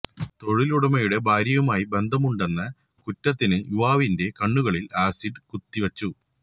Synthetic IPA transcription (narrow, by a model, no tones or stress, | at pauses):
t̪o̞ɻiluɽɐmɐjuɽe̞bʱaːɾjɐʋumaːjibe̞nd̪ʱɐmuɳɖenːɐ | kutːɐt̪ːinɨjuʋaːʋinde̞kɐɳːuɣɐɭilaːsiɖkut̪ːiʋɐt͡ɕːu